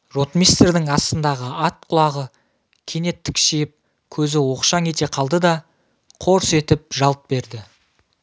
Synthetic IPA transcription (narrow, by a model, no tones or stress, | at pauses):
ro̞t̪mʲijst̪rd̪ɪŋɑst̪ənd̪ɑʁəɑt̪̚qʰʊlˠɑʁə | kʲʰe̞ne̞t̪ʰːɪkʃijɪp̚ | kʲʰɵzɪwo̞qʃɑŋe̞t̪e̞qʰɑlˠd̪əd̪ɑ | qʰo̞ɾse̞t̪ɪp̚ʒɑlˠt̪̚be̞ɾd̪ɪ